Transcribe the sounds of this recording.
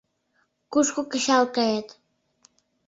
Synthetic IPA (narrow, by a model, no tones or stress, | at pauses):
kuʃkukəɕɑlkɑjet̪